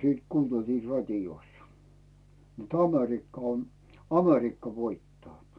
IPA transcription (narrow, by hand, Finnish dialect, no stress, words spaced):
siːt kuːnːeltiː rɑtʲijosːɑ̥ nĕt ɑmerikːɑ on̞ ɑmerikːɑ ʋoitːɑː